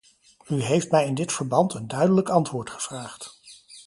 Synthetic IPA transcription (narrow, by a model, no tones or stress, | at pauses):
yɦejftmɛjɪndɪtfəɹbɑntəndœɥdələkɑntʋʊːɹtχə̥v̥raːχt